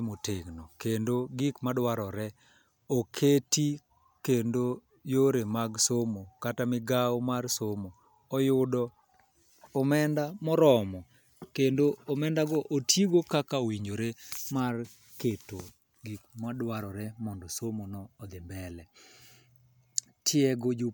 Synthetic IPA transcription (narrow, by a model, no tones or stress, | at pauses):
moteɡnɔkendoɡikmadwaɾɔɾɛ | okʰeti | kendo | joɾemaɡsomokatamɪɡaɔmarsomo | ɔjʊdɔː | mɛndamɔɾɔmɔ | kendoːmɛndaɡɔʔotjiɡokakawiɲd͡ʒoɾemar | keto | ɡik̚madwaɾɔɾɛmɔndɔsomonɔːd̪ɪmbɛlɛ | tʰjɛɡod͡ʒu